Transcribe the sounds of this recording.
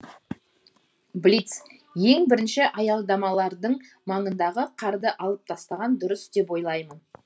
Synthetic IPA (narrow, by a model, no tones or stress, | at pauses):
blʲit̪s | je̞ŋbɪɾɪnʃɪʔɑjɑlˠd̪ɑmɑlˠɑɾd̪əɴ | mɑɴənd̪ɑʁəqʰɑɾd̪əʔɑlˠəp̚t̪ʰɑst̪ɑʁɑnd̪ʊɾəsd̪e̞pwo̞jlˠɑjmən